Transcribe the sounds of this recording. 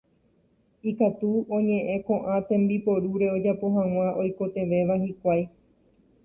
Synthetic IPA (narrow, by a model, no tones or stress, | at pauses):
ikat̪uõ̞ɲẽ̞ʔẽ̞kõ̞ʔãt̪ẽ̞mbipo̞ɾuɾe̞o̞d͡ʒapo̞ɦãw̃ãʔo̞jko̞t̪e̞ʋe̞ʋahikʷaj